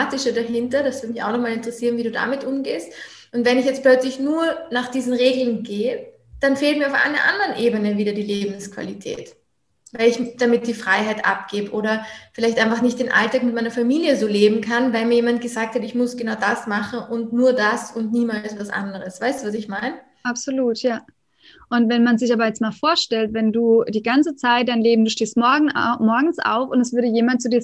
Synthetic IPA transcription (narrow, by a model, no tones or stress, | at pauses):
aːtɪʃədaɦɪntɐd̥asv̥ɪɐt̚mɪça̰ʊxnɔχmaːlɪntəʁəsiːʁnviːduːda̰mɪtʔʊmɡeːst | ʔʊntvɛnɪçjɛt͡stplœt͡slɪçnuːɐnaːχd̥iːzn̩ʁeːɡl̩nɡeːə | d̥anfeːltmiːɐaʊfʔa̰ɪnɐ̰ʔa̰ndəʁənʔeːbənəviːdɐdiːleːbm̩skv̥a̰litʰɛ̰ːt | vaɪlɪçd̥amɪt̚d̥iːfʁ̥aɪɦaɪtʔa̰p̚ɡ̥eːbəʔoːɾɐfɪlaɪçtʔãɪnfaχnɪçt̚d̥eːnʔa̰ltaːkmɪt̚maɪnɐfamiːljəzoːleːbm̩kʰanvaɪlmiɐjeːmant̚ɡ̥əzaːk̚tʰhatɪçmʊsɡ̥ənaʊdasmaχn̩ʊntnuːɐdasʊntniːmaːlstvasʔa̰ndəʁəsv̥aɪstduːvas̬ɪçmaɪn | ʔapz̥oluːtʰjaː | ʔʊntvɛnmanzɪçʔaːbɐjɛt͡stmaːlfoːɐʃtɛltvɛnduːd̥iːɡant͡sət͡saɪtd̥aɪnleːbm̩duːʃteːstmɔɐɡŋ̩mɔɐɡŋ̩n̩sʔa̰ʊfʊntɛsv̥ʏɐɾəjeːmant̚t͡sudiːɐ